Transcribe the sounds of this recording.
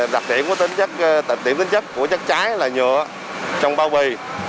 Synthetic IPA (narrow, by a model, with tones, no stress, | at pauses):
ɗa˨˩ɗḭ˧˨ənku˧˩ət̪ŋt͡ɕə˦˥k̚t̪a˨˧˩ḭ˧˩əmt̪i˨˦ŋ̟t͡ɕə˦˥kːu˧˩ət͡ɕə˦˥k̚t͡ɕaː˨˦jlaː˨˩ɲəː˧˨ə | t͡ɕɔ˧wŋ͡mɓaː˧˦wvi˧˩j